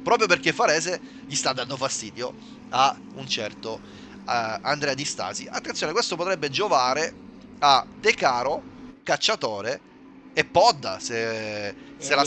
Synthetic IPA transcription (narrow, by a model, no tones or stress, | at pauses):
pɾɔːpɾjoperkefːaɾɛːze | ʎist̪ad̪ːand̪ofast̪iːd̪jo | a | unt͡ʃɛrt̪o | and̪ɾɛːad̪ist̪a̰ːziʔat̪ːeat̪sjoːnekwest̪opot̪ɾɛbːed͡ʒovaːɾe | ad̪ekaːɾokat͡ʃːat̪oːɾeː | pːɔd̪ːa̰se | sela